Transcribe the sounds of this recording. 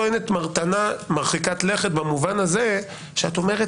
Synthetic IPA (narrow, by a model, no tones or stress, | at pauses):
ene̞tmaʁtanamaʁχikatle̞χetbamuvanaze | ʃeato̞meʁet